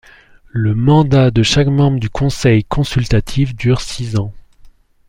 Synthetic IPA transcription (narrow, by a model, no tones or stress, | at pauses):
ləmɑ̃d̪ad̪əʃakmɑ̃bʁəd̪ykʰɔ̃sɛjkʰɔ̃sylt̪at̪ʰifd̪yʁsizɑ̃